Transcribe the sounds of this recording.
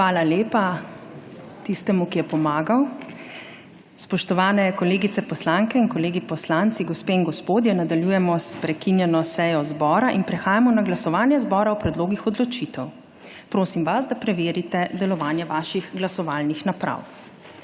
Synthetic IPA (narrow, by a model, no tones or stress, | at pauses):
xʋaːlaleːpa | t̪ist̪ɛmukijɛpɔmaːɡaw | spɔʃt̪ɔʋaːnɛkɔleːɡit̪sɛpɔslaŋkɛinkɔleːɡipɔslant̪siɡɔspeinɡɔspoːd̪jɛnad̪aljujɛmɔspɾɛkinjɛnɔsɛjɔzbɔːɾaʔinpɾɛxaːjamɔnaɡlasɔʋaːnjɛzbɔːɾawpɾɛd̪loːɡixɔd̪lɔt͡ʃit̪ɛw | pɾoːsimʋazd̪apɾɛʋeːɾit̪ɛd̪ɛlɔʋaːnjɛʋaːʃixɡlasɔʋaːlnixnapɾa̰w